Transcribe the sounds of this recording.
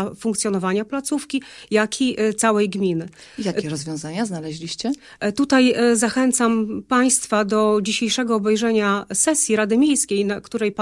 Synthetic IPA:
fuŋkt̪sʲjɔnɔvaɲaplat̪sufkʲijakʰʲiʔt̪sawɛjɡmʲinɘ | jakʲɛɾɔzvʲjɔ̃w̃zaɲaznalɛʑlʲiɕt͡ɕɛ | t̪ut̪ajzaxɛnt̪sampaj̃st̪fad̪ɔd͡ʑiɕejʂɛɡɔːbɛjʐɛɲasɛsʲjiɾad̪ɘmʲjejskʲejnakt̪uɾɛjp

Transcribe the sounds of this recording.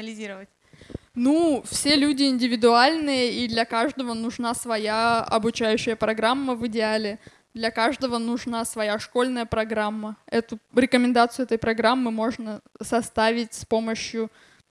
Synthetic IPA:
əlʲɪzʲiɾəvətʲ | nufsʲelʲudʲɪɪnʲdʲɪvʲɪd̪ʊalʲnɨjəid̪lʲɐkaʐd̪əvənʊʐnasvɐjaɐ̰bʊt͡ɕæjʉɕːɪjəpɾɐɡɾamːəvɨdʲɪalʲɪ | d̪lʲɐkaʐd̪əvənʊʐnasvɐjaʂkolʲnəjəpɾɐɡɾamːəɛt̪ʊɾʲɪkəmʲɪnd̪at̪sɨjʊɛt̪əjpɾɐɡɾamːɨmo̞ʐnəsɐst̪avʲɪtʲspo̞məɕjʊ

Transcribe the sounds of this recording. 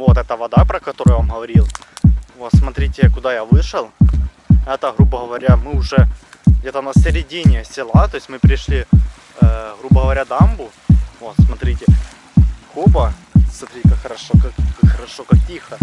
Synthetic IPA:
vot̪ɛt̪əʋɐd̪apɾɐkɐt̪oɾʊjvamɦɐvɐɾʲilˠvo̞t̪smɐt̪ɾʲitʲɪkʊd̪ajaʋɨʂɨlˠ | ɛt̪əɣɾubəɦɐʋɐɾʲamɨʊʐɛ | ɣdʲet̪ənɐsʲɪɾʲɪdʲinʲɪsʲɪlˠat̪oɪsʲmɨpɾʲɪʂlʲi | ɣɾubəɣəvɐɾʲad̪ambʊ | vo̞t̪smɐt̪ɾʲitʲɪ | xobə | smɐt̪ɾʲitʲɪkakxɐɾɐʂokakakxɐɾɐʂokak̚tʲixə

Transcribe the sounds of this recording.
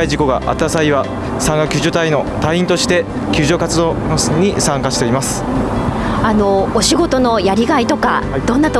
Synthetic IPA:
aiʑiko̞ɡa̰ʔa̰t̪ːasaiβa | sãŋɡakʲɨʑot̪aino̞t̪aĩnt̪o̞ɕi̥t̪e̞ | kʲɨːʑo̞ːkat͡sɨd̪o̞ːɲ̟isãŋkaɕi̥t̪e̞imasɨ̥ | ano̞ːɕiɡo̞t̪o̞no̞jaɾʲiɡait̪o̞ka̰d̪̥õ̞nːat̪o

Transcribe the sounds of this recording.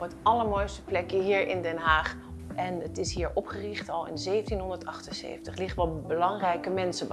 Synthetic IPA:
pɦətɑləɹmojstə̥plɛkjəɦiːɹʔɪndɛnɦaːχ | ʔɛnətɪsɦiːɹʔɔpχərɪχtɑlˠɪ̰nzejvəntinɦɔndəɹtɑχtənsḛjvəntəχlɪχtʋɑbəlɑŋrɛjkəmɛnsəb

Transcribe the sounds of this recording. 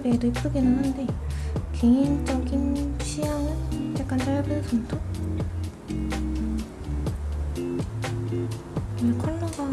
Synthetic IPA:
bedoip͈ɯɡenɯnɦande̞keind͡ʑʌɡinɕʰiɦaŋɯnt͡ɕek͈ant͈aɭʌbɯnsʰʌmtʰo | kekʰaɭːaɡa

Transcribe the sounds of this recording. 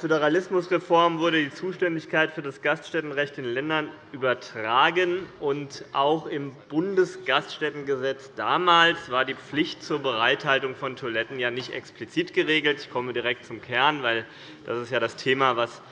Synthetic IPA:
føɾəʁalɪsmʊsʁefɔɐmvʊɐɾədiːt͡suːʃtɛndɪçkʰaɪtfyːɐdasɡ̥astʃtɛtn̩ʁɛçtɪnlɛndɐnʔyːbɐtʁ̥aːɡənʔʊntʔaʊxɪmb̥ʊndəsɡ̥astʃtɛtn̩ɡəzɛt͡sd̥aːmaːlsv̥aːɐdiːp͡flɪçtt͡suːɐbəʁaɪthaltʊŋfɔntʰoɐlɛtn̩jaːnɪçtʔɛ̰ksplit͡siːtɡ̥əʁeːɡl̩tɪçkʰɔmədiʁɛk̚t̚t͡sʊmkʰɛɐnvaɪl | d̥a̰sɪstjaːɾastʰeːmavas

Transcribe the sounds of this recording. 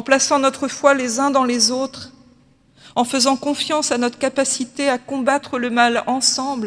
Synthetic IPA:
plasɑ̃nɔt̪χəfwalezɛ̃d̪ɑ̃lezot̪χ | ɑ̃fəzɑ̃kɔ̃fjɑ̃sanɔt̪χəkapasit̪eakɔ̃bat̪χələmalɑ̃sɑ̃bl

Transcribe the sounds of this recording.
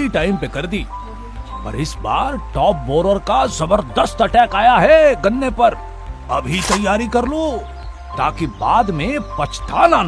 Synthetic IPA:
iʈaːɪmpekɐɾd̪iː | pɐ̰ɾɪsba̰ːɾʈɔːp̚bɔːɾəɾkazɐbəɾd̪əst̪ɐʈɛːkaːjaɦɛɡɐ̃nːepɐɾ | ɐ̰bʱit̪ɐjːaːɾikɐɾlo | t̪aːkibaːd̪mẽpɐt͡ʃʰt̪ʰaːnaːn

